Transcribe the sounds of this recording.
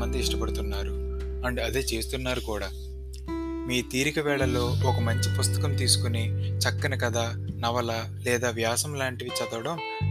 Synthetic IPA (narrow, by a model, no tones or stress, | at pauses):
mɐt̪ːeiʂʈɐpɐɽut̪unːaːɾuɐɳɖiɐd̪e̞ːt͡ʃe̞ːst̪unːaːɾukuːɽaː | miːt̪iːɾikɐʋɛːɭɐlo̞ːɔkɐmɐɲt͡ʃipust̪ɐ̥kɐmt̪iːsu̥kunit͡ʃɐkːɐnɐkɐd̪aː | nɐʋɐla | lɛːd̪aːʋjaːsɐmlaːɳʈiʋit͡ʃɐd̪ɐʋɐɽɐm